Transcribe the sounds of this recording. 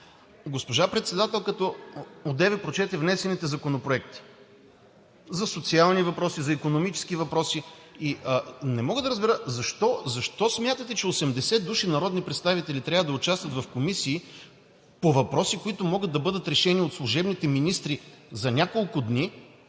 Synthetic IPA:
ɡospoʒapɾɛt̪sɛd̪at̪ɛlˠkɐt̪ɔod̪ɛvɛpɾot͡ʃɛt̪ɛvnɛsɛnit̪ɛzɐkonopɾoɛk̚t̪i̥ | zɐsot̪sialˠnivɐpɾɔsizɐikonomit͡ʃɛ̥sk̟ivɐpɾɔsi | iənɛmɔɡəd̪ɐɾəzbɛɾəzɐʃt̪ɔzɐʃt̪ɔsmʲjat̪ət̪ɛt͡ʃɛosɛmd̪ɛsɛd̪uʃinɐɾɔd̪nipɾɛt̪st̪avit̪ɛlit̪ɾʲavəd̪ɐʊt͡ʃast̪vət̪vɐfkomisiː | povɐpɾɔsikoit̪ʊmɔɡəd̪ːɐbɤd̪ət̪ɾɛʃɛniot̪slˠʊʒɛbnit̪ɛminist̪ɾizɐnʲakolˠkʊd̪ni

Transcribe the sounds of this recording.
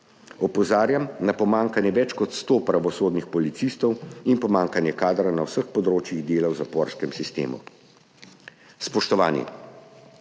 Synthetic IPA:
ɔpɔzaːɾjamnapɔmaːŋkanjɛʋɛt͡ʃkɔt̪st̪oːpɾaʋɔsoːd̪nixpɔlit̪sist̪ɔwinpɔmaːŋkanjɛkaːd̪ɾanawsəxpɔd̪ɾoːt͡ʃjiɣd̪eːlawzapɔɾskɛmsist̪ḛːmṵ | spɔʃt̪ɔʋaːnjḭ

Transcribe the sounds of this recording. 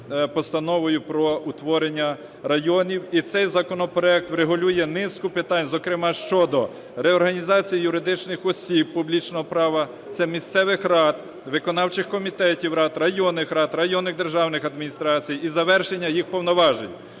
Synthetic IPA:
pɔst̪ɐnɔʋɔjʊpɾɔut̪ʋɔɾenʲːɐ | rɐjɔnʲiwit̪sɛjzɐkɔnɔpɾɔɛk̚t̪ʋɾeɦʊlʲujɛnɪskʊpɪt̪ɑnʲzɔkɾɪmɑʃt͡ʃɔd̪ɔ | ɾɛɔrɦɐnʲizɑt͡sʲijijʊɾɪd̪ɪt͡ʃnɪxɔsʲib̚publʲit͡ʃnɔɦɔpɾɑʋɐ | t̪sɛmʲist̪sɛʋɪxrɑd̪ | ʋɪkɔnɑwt͡ʃɪxkɔmʲit̪ɛtʲiwɾɑd̪rɐjɔnɪxɾɑd̪ɾɐjɔnːɪɣd̪erʒɑwnɪxɐd̪mʲinʲist̪ɾɑt͡sʲijizɐʋɛrʃenʲːɐjixpɔwnɔʋɑʒenʲ

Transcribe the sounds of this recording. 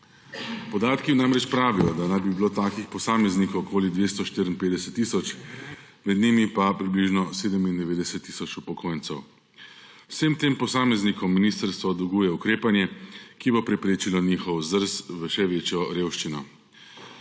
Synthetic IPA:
pɔd̪aːt̪kinamɾɛt͡ʃpɾaːʋijɔd̪anajbibiloːt̪aːkixpɔsaːmɛznikɔwkʰoːlid̪ʋeːst̪ɔʃt̪iɾinpeːd̪ɛsɛt̪ːiːsɔt͡ʃ | mɛd̪nimipapɾibliʒnɔseːd̪əmind̪ɛʋeːd̪ɛsɛt̪ːi̥ːsɔt͡ʃupɔkʰoːjnsɛw | wsemt̪eːmpɔsaːmɛznikɔmːiniːst̪əɾst̪ʋɔd̪uɡujɛukɾeːpanjɛkibopɾɛpɾeːt͡ʃilɔniːxɔwzəɾsʋəʃɛʋeːt͡ʃjɔɾeːwʃt͡ʃinɔ

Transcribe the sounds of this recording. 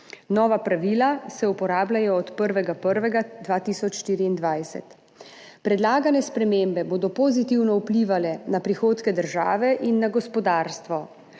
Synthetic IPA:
nɔːʋapɾaʋiːlasɛupɔɾaːblʲajɔːt̪pəɾʋɛɡapəɾʋɛɡad̪ʋaːt̪iːsɔt͡ʃʃt̪iːɾiːnd̪ʋajsɛ̰t̪ | pɾɛd̪laːɡanɛspɾɛmeːmbɛboːd̪ɔpozit̪iwnɔupliʋalɛnapɾixoːt̪kɛd̪əɾʒa̰ːʋɛʔinːaɡɔspɔd̪aːɾst̪ʋɔ

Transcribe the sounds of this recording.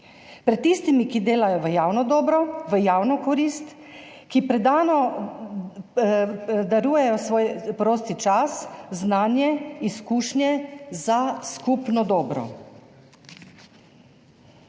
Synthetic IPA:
pɾɛt̪ːiːst̪imikid̪eːlajɔʋəjaːwnɔd̪ɔːbɾɔʋəjaːwnɔkɔɾiːst̪ | kipɾɛd̪aːnɔ | d̪aɾuːjɛjɔsʋoːjpɾoːst̪it͡ʃasznaːnjɛiskuːʃnjɛzaskupnɔd̪ɔːbɾɔ̰

